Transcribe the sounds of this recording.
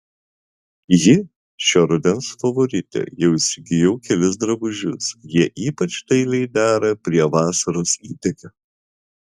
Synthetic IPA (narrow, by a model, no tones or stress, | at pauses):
jɪ | ʃʲoɾʊd̪ʲɛnsfɐʋɔɾʲɪt̪ʲɛ̰jɛʊɪsʲɪɡʲɪjɛʊkʲɛlʲɪs̬d̪ɾɐbʊʒʲʊsjiɛʔiːpɐt͡ʃʲt̪ɐɪlʲɛɪd̪ʲæːɾɐpʲɾʲiɛʋɑːsɐɾoːsiːt̪ʲɛkʲɐ